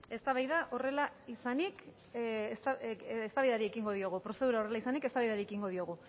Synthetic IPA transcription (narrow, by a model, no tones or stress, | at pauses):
e̞st̪aβajðaʔo̞re̞laisanik | st̪aest̪aβajðaɾie̞kiŋɡo̞ðio̞ɣ̞upɾo̞se̞ð̞uɾao̞re̞laisanike̞st̪aβajðaɾiekiŋɡo̞ðio̞ɣ̞u